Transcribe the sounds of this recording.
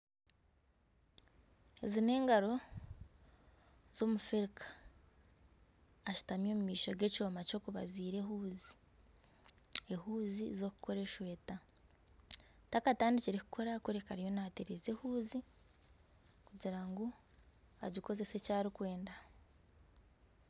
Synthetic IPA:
ezine̞ːŋɡaɾo̞ | z̥o̞ːmufeɾikʰḁ | ʃu̥tamjo̞ːmumiːʃoɡe̞co̞ːmaco̞kuβa̰ziːɾe̞ɦuːzi | ehuːzizo̞ku̥kʰo̞ɾe̞ʃwe̞ːta | takataːndiciɾeku̥kʰo̞ɾakweɾekaɾijo̞nateɾezehuːzi | kuɟiɾaŋɡo̞ | a̰ɟiko̞ze̞se̞caːɾikwe̞ːnda

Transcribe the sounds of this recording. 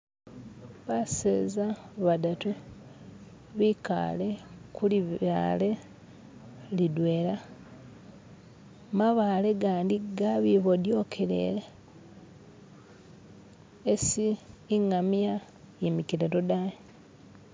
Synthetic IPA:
βaseːzaβadatu | βika̰le̞kulia̰le̞ | lidweːɾa | maβaleɡaːndiɡaβiβodjo̞kʰeɾḛɾe | siːŋamja | jemikiɾeɾodaje

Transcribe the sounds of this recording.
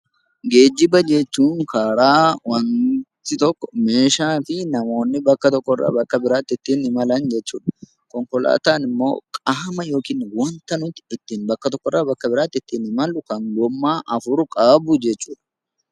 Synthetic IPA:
ɡe̞ːd͡ʒːɪbɐd͡ʒɛt͡ʃːuːŋkaːɾaːwɐnt̪ɪt̪ɔkːɔ̥me̞ːʃaːfɪnɐmo̞ːnːɪbɐkːɐt̪ɔkːɔrːa̰ːbɐkːɐbɪɾaːt̪ːɪt̪ːiːnɪmɐlɐnd͡ʒɛt͡ʃːuːᶑɐ̥ | kɔŋkɔla̰ːt̪aːnɪmːo̞̰ːkʼaːmɐjo̞ːkiːnwɔnt̪ɐnʊt̪ːɪɪt̪ːiːnbɐkːɐt̪ɔkːɔrːɐbɐkːɐbɪɾaːt̪ːɪt̪ːiːnɪmɐlʊkɐŋɡɔmːaːʔɐfʊɾʊkʼaːbʊd͡ʒɛt͡ʃːuːᶑɐ̥

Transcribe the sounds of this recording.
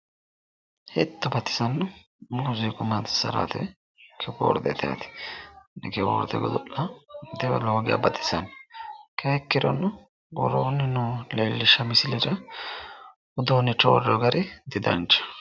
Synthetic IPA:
hɛt̪ːʊbɐt̪ːɪ̥sɐnːʊ | mʊzɪkʼʊmat̪ɪ̥sɐ̰ɾa̰t̪ɛ | kʰɛɡo̰ːɾd̪ɛ̰t̪ʰɛja̰ːt̪ɪ̥nɛkɛɡo̰ːɾd̪ɛ̰ɡɔd̪ɔʔɐd̪ɛwɛloːɡɪja̰bɐt̪ːɪ̥sɐnkʰɛɛkːɪɾɔnːʊ | ɡɔ̰ɾoːnːɪnʊleːlːɪʃɐmɪsɪlɪɾɐ | ʊd̪oːnːɪt͡ʃo̰ːɾɔɡɐɾɪd̪ɪd̪ɐ̰nt͡ʃːɐ̥

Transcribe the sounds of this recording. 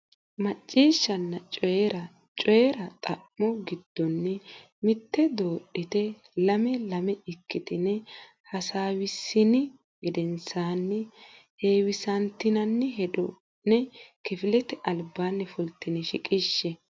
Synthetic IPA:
mɐt͡ʃʼːiːʃːɐnːɐt͡ʃʼɔɾɐ | t͡ʃʼɔjɛɾɐt̪ʼɐmːɔɡɪd̪̥ːɔnːɛ | mɪt̪ːɛd̪oːɗːɪt̪ɛ | lɐmɛlɐmɛɪkːɪt̪ɪnɛ | hɐsaːwɪsːɪnɪ | ɡɪd̪ɛnsaːnːɛ | heːwɪsɐnt̪ɪnɐnːɛɦɛd̪ɔ | nɛkɪfɪlɛt̪ɛʔɐlbaːnːɛfʊlt̪ːɪnɪʃɪkʼɪʃːɛ

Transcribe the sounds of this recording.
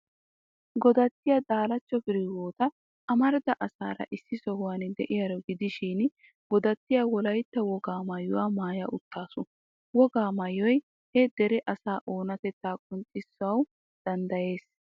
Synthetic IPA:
ɡɔd̪ɐt̪ːɪjɐd̪aːlɐt͡ʃːɔfɪɾɪwoːt̪ɐ | ɐmɐɾd̪ɐʔɐsa̰ːɾɐ̰ʔɪsːɪsɔhʊwand̪ɛʔɪjɐɾɔɡɪd̪ɪʃiːn | ɡ̥ɔd̪ɐt̪ːɪjaːwɔlɐjt̪ːɐwɔɡaːmɐjːʊwaːmaːjaʔʊt̪ːaːsʊ | wɔɡaːmɐjːɔj | hɛd̪ɛɾɛʔɐsaːʔo̞ːnɐt̪ɛt̪ːaːkʼʊnt͡ʃʼːɪsːʊɐw | d̪̥ɐnd̪ɐje̞ːs

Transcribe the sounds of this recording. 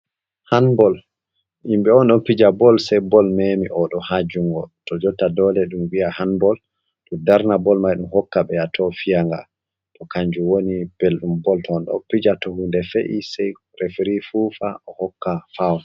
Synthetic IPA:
hanbɔl | ʔimɓɛɔnɗɔnpid͡ʒabɔlsɛjbɔlmemiʔɔɗɔhad͡ʒuŋɡɔtɔd͡ʒɔtːadɔlɛɗumwiahanbɔl | ɗudaɾnabɔlmajɗumhɔkːaɓɛjatʰɔfijaŋɡa̰ | tɔkaɲd͡ʒuwonib̥elɗumbɔltɔːnɗɔ̰pid͡ʒatɔhundɛfeʔisɛj | ɾefɾifuːfaʔɔhɔkːafaw

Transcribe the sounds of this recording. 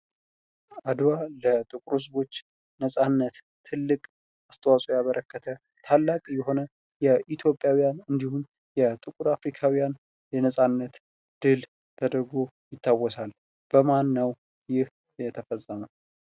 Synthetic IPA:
ad̪walət̪ʼɨkʼɾus̬bo̞t͡ʃː | nəsʼanːət̪ːʰɨlːɨkʼ | ast̪ʰəwasʼojaβəɾʔəkːət̪ʰə | t̪ʰalːakʼjɛɦo̞nə | jɛʔit̪ʰjo̞pʼjawijanɨnd̪ihun | jɛt̪ʼɨkʼuɾafɾikʰawijan | jɛnəsʼanːət̪ | d̪̥ɨl | t̪ʰəd̪əɾɡojɪt̪ʰːawːɔsal | b̥əmanːəw | jɪh | jɛt̪ʰəfəsʼːəmə

